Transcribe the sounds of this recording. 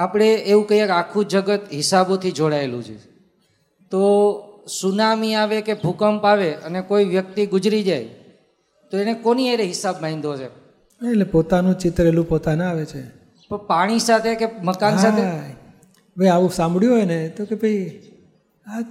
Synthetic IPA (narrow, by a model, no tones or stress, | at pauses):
apɽ̃eːũkəɦiakakʰũd͡ʒəɡət̪ɦɪsabot̪ʰid͡ʒoɽaelṵ̃d͡ʒʰḛ | t̪osunamiaʋekebʱukəmpaʋeənekoiʋjək̚t̪iɡʊd͡ʒɾid͡ʒaj | t̪oenekoniaɾeɦɪsabmaĩnd̪od͡ʒe | elepot̪anũt͡ʃɪt̪ɾelũpot̪anẽaʋet͡ʃʰe | pəɳpaɽ̃isat̪ʰekeməkansat̪ʰe | bʱejaʋũsãmbɽjuɦojnet̪okebʱəi | a